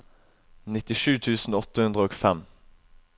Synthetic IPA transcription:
nɪt̪ɪʂʉːt̪ʰʉːsn̩ɔt̪əhʉnd̪ʁəoːɡfɛm

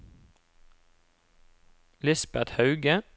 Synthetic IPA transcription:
lɪsbæd̪hɑʉɡə

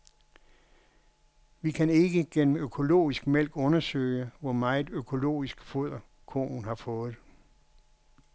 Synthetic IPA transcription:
ʋikʰæne̝ɡ̥əɡ̥en̰m̩økʰo̝lo̝̰ːisɡ̥mel̰ɡ̥ɔ̽nɐsø̰ɪəʋɒmɑ̈ːɪð̩ˠøkʰo̝lo̝̰ːisɡ̥foð̰ˠɐ | kʰo̰ːnhɑ̈fɔ̽ːð̩ˠ

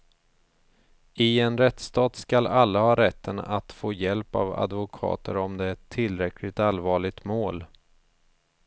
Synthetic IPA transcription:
ɪɛnɾɛt̪st̪ɑːt̪skalalːahɑːɾɛt̪ʰːəna̰t̪foːjɛlpa̰va̰d̪vʊkʰɑ̰ːt̪əɾɔmd̪ɛɛt̪ʰːɪlːɾɛkʰlɪɡt̪alvɑːɭɪɡ̚t̪moːl

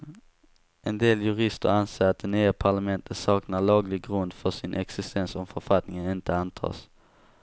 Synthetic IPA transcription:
ʔɛnd̪eːljɵɾɪst̪ə̰ɾanseːɾat̪̚d̪ɛnyːəpʰaɭamɛnt̪ʰət̪sɑːknaɭɑːɡlɪɡɾɵnd̪fœʂɪnʔɛksɪst̪ɛnsɔmfœɾfat̪nɪŋənɪnt̪əant̪ʰɑ̰ːs

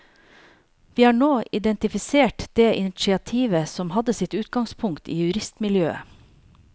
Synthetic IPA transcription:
ʋiːhɑːɳoːʔɪd̪ɛnt̪ɪfɪseːʈd̪̥eːʔɪnɪt͡ʃɪɑt̪ʰiːʋəsɔmhɑd̪əsɪt̪ʉːt̪ɡɑŋspʰʊŋkt̪ʰḭːjʉɾɪst̪mɪljøːə̰

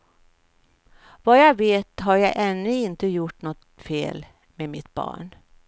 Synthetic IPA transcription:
vajaveːt̪ɦaɾjɑʔɛnːɵɪnt̪əjʊʈːnɔt̪fḛːl | memɪt̪bɑ̰ːɳ

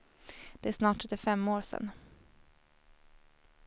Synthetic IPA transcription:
d̪̥ɛæʂsnɑːʈʰːɵt̪ɪfɛmːoːɾsɛ̰n

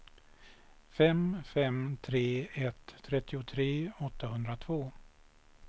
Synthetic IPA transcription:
fɛmfɛmt̪ʰɾeːɛt̪ʰːɾɛt̪ːɪʊt̪ʰɾeːɔt̪ʰːaɦɵnd̪ɾat̪ʰvoː

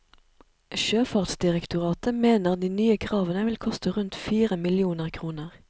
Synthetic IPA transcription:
ʃøːfɑʁt̪sd̪ɪʁɛkt̪ʊʁɑːt̪əmeːnəʁd̪iːnyːəkʰʁɑːʋənəʋɪlkʰɔst̪əʁʉnt̪fiːʁəmɪlɪuːnəʁkʰʁuːnəʁ

